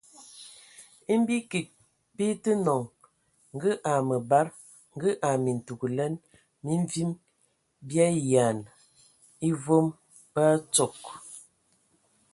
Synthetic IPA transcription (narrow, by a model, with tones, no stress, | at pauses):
i˦m˦bi˦ki˨k̚ | pi˦tə˦nɔ˨ŋ | ŋ˦ɡə˦ʔa˨mə˨ba˦ɾ | ŋ̩˦ɡə˦ʔa˨mi˨n̩˨tu˨ɡu˨lɛ˦n | mi˦ɱ˦vi˦m | bja˦ja˨n | i˦vo˦m | pa˦t͡so˨k